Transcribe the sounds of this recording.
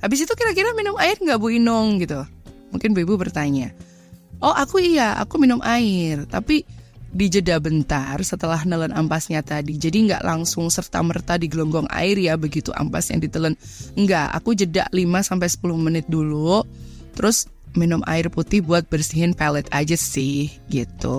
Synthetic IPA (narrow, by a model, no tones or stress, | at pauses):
habɪs̬it̪ukiɾakiɾaminʊmaɪrŋɡaʔbuinʊŋɡit̪umuŋkɪnbuibubərt̪aɲa | ʔɔhakuiaa̰kuminʊmʔaɪrt̪apidid͡ʒədabənt̪arsət̪əlahnələnampasɲat̪adid͡ʒadiəŋɡa̰ʔlaŋsʊŋsərt̪a̰mərt̪adiɡəlɔŋɡɔŋa̰ɪrjabəɡit̪ṵʔa̰mpasja̰ŋdit̪ələnŋɡaʔa̰kud͡ʒəda̰ʔlimasampajsə̥pulʊhmənɪt̪̚dulu | t̪əɾʊs | minʊmʔa̰ɪrput̪ɪhbuat̪̚bərsiɦɪnpalɛt̪ad͡ʒasɪhɡit̪ṵ